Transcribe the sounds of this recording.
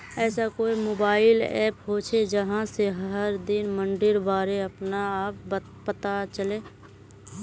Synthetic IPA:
ɛːsakoːimoːbaːɪlɛ̰ːpɦot͡ʃʰed͡ʒəɦãseɦəɾd̪ɪnmə̃ɳɖɪɾbaːɾeəpnaːp̚ | pət̪at͡ʃəleː

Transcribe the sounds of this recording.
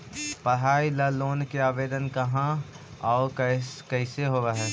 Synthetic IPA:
pəɽɦaːilaloːnkeaːʋeːd̪ənkɐɦã | ɔːkkɛɦɪseɦoːʋaɦɛː

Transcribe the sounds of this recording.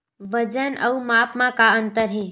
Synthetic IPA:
ʋəd͡ʒənʔəumapmãkaənt̪əɾɦẽ

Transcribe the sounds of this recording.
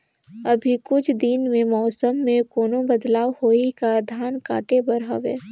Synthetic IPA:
ɐbʱikʊt͡ʃʰd̪ɪnmẽmɔːsəmːẽkoːnõbɐd̪laːwhoːikad̪ʱaːnka̰ːʈebɐɾɦa̰ʋḛː

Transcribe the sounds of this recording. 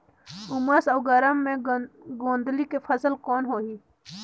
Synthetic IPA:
ʊməsɔːɡəɾəmːẽɡõːnd̪likefʰəzəlkɔːnɦoːɦiː

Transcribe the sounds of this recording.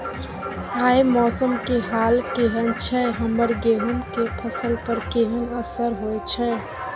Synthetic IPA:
aːemɔːsəmkeɦaːlkeɦənt͡ʃʰɛɦəməɾɡeːɦunkepʰəsəlpəɾkeɦənəsəɾɦojt͡ʃʰɛ

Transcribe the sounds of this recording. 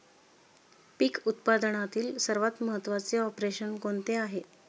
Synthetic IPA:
pikut̪pad̪əɳat̪iːlsəɾʋat̪məɦət̪ːʋat͡seɔpɾeɕənkoɳt̪eaɦe

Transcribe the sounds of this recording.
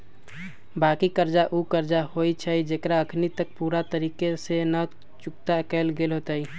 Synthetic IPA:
bakikəɾd͡ʒaʔukəɾd͡ʒaɦojt͡ʃʰəd͡ʒekɾaəkʰnit̪ək̚puɾat̪əɾiːkesenə | t͡ʃuk̚t̪akɛlɡelɦot̪əj

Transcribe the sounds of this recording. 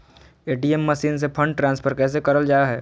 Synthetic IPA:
eːʈiɛmːəʃiːns̬epʰə̃ɳɖ̚ʈɾãːnspʰəɾkɛːs̬ekɐɾəld͡ʒaːjaɦɛː

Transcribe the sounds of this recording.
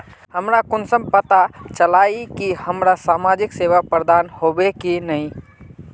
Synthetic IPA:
həmɾakʊnsəmpət̪at͡ʃəlaikihəmɾasaːmad͡ʒɪkseʋapɾəd̪anhobekinəĩ

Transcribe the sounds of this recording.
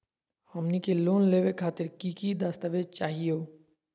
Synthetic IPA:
həmnikeloːnleːʋekʰaːt̪ɪɾkiːkid̪aːst̪əʋed͡ʒt͡ʃaːɦijoː

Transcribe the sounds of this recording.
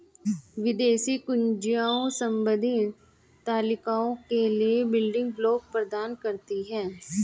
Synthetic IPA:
ʋɪd̪eːsikʊnd͡ʒijaːõsə̃mbəd̪ʱɪn | t̪aːlɪkaːõkeliebɪlɖɪ̃ŋɡbloːk̚pɾəd̪aːnkəɾt̪iɦɛ̃ː

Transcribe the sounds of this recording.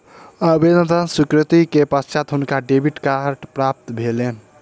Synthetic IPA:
əbed̪əd̪ənsukɾət̪ikepəst͡ʃat̪ɦunkaɖebʱiʈkaɾʈpɾap̚t̪bʱelen

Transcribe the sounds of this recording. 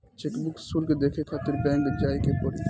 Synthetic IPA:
t͡ʃekbʊksuːlked̪eːkʰekʰaːt̪ɪɾbɛ̃ːŋkd͡ʒaːikepoːɾi

